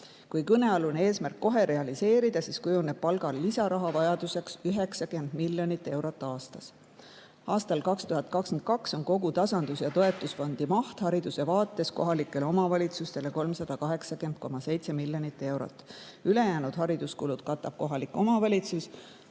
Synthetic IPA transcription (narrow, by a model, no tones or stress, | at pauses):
kujkɤne̞ɑluneeːsmærkːo̞ɦe̞ɾe̞ɑlise̞ːɾid̪̥ɑsiskujuneb̥̚pɑlɡ̥ɑlːisɑɾɑɦɑvɑjɑd̪̥use̞ksyɦe̞ksɑkyend̪̥miljo̞nit̪ːˑe̞wɾo̞t̪ːˑɑːst̪ɑs | ʔɑːst̪ɑlkɑkst̪uɦɑt̪̚kɑkskent̪̚kɑkso̞nko̞ɡut̪ɑsɑnd̪usjɑt̪o̞e̞t̪ːˑusfo̞nd̪̥imɑht̪hɑɾid̪use̞vɑːt̪ːˑe̞sko̞ɦɑlikːˑe̞leo̞mɑvɑlʲit̪sust̪e̞le̞ko̞lmsɑd̪̥ɑkɑɦe̞ksɑkent̪̚ko̞mɑse̞jt̪se̞miljonit̪ːe̞wɾo̞̰t̪ːˑ | yle̞jæːnud̪̥ɦɑɾid̪uskulud̪̥̚kɑt̪ːˑɑb̥ko̞ɦɑlikːˑo̞mɑvɑlʲit̪sus